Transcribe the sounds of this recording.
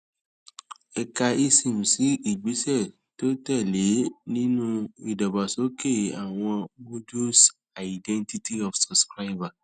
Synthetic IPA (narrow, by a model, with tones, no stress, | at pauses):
ɛ˨ka˨i˦sĩ˨m̩˨si˨˦i˨ɡ͡be˨˦sɛ˦˨ | to˦ta˦˨le˨˦nĩ˦nũ˦i˨dɔ˨ba˨so˨˦ke˦˨a˨w̃ɔ̃˧wo˦du˦s | a˨i˨dɛ̃˦nti˦ti˦ɔ˨fsɔ˨skɾa˦ɪ˦ba˨